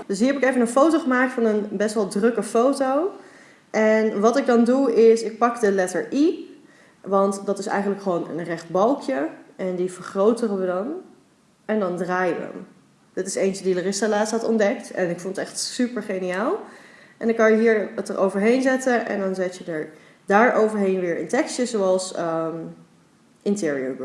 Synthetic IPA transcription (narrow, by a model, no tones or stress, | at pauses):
d̥ɵsɦiːɹɦɛpɪkejvənənfowtowχəmaːktfɑnənbɛstʋɛlˠdrɵkəfowtow | ʔɛnʋɑtɪɡ̚dɑnduɪsɪk̚pɑkdəlɛtəɹʔi | ʋɑntdɑtɪsɛ̰jχən̩ləkχəʋownə̰nrɛχt̚bɑlˠkʰjəʔɛndivəɹχrowtərəʋədɑn | ɛndɑndraːjʋə̰ə̰m | d̥ɑtɪ̥sejnt͡ʃədiələrɪstalaːtsɦɑtɔ̰̃ndɛktɛnɪkfɔndətɛχtsypəɹχejnijaːlˠ | ʔɛndɑŋkɑnjəɦiːɹətəɹʔo̰wvəɹɦejnzɛtənʔɛ̰ndɑnzɛtjədəɹ | daːɹʔowvəɹɦejnʋɪːɹʔɪ̰ntɛkstəzoɑlˠsəm | ʔɪntɪːɹiə̰ɹb